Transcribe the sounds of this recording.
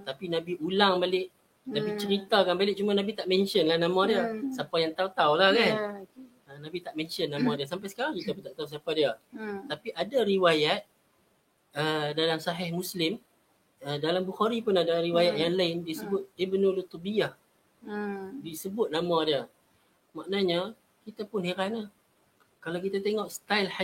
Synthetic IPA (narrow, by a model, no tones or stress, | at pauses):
t̪apinãbiʔulaŋbalɪʔ̚ | nãbit͡ʃəɾit̪akanbalɪʔ̚t͡ʃumanabit̪aʔmɛnʃənlahnãmãdiəsapajaŋt̪aut̪aulahkan | ənãbit̪aʔmɛnt͡ʃənːãmãdias̬ampajsə̥kaɾaŋkit̪aput̪aʔt̪ausiapadiət̪apiʔadaɾiwajat̪̚ | ədalamsaɦɪhmuslɪm | ədalambuxaɾipʊnadaɾiwajaʔ̪̚jaŋlaɪndisəbʊt̪̚ibnulut̪ubijah | disəbʊt̪̚namãdiə | maʔnaɲa | kit̪apʊnhiɾana | kalawkit̪at̪eŋɔʔst̪ajlha